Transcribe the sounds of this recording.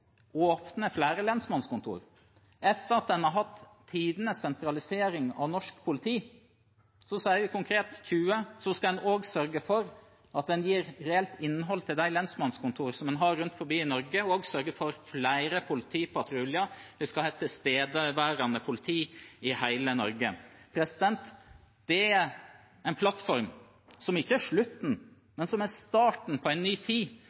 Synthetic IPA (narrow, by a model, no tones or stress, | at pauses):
oːpnəflæːɾəlɛnsmɑnskʊnt̪ʰṵːɾ | ʔɛt̪ːəɾɑt̪̚d̪ɛnhɑɾɦɑt̪ʰː | iːd̪ənəsːɛnt̪ɾɑlɪseːɾɪŋɑ̰ʋnɔʂkpʰʊlɪt̪ʰiː | sɔsɑːəʋɪkʊŋkʰɾeːt̪çʉːəsɔskɑd̪ɛnoːɡsœɾɡəfɔɾ | ʔɑt̪̚d̪ɛnjiːɾɾɛɛlt̪ɪnːɦɔlt̪ʰɪld̪æɪlɛnsmɑnskʊnt̪ʰuːɾsɔmɛnɦɑɾːʉnt̪fɔɾbiːɪnɔɾɡəoːɡsœɾɡəfɔɾflæɪɾəpʰʊlɪt̪ʰiːpɑt̪ʰɾʉljɑd̪̥ɛskɑlhɛt̪ːəst̪eːd̪əʋæːɾɑnəpʰʊlɪt̪ʰiːɪhæɪlənɔɾɡəpʰɾɛsɪd̪ɛnt̪ | d̪̥ɛæ | æɪnpʰlɑt̪fɔɾm | sɔmɪçːəæʂɭʉt̪n̩ | mɛnsɔmæst̪ɑːʈɳ̩pʰɔæɪnnːyːt̪ʰiː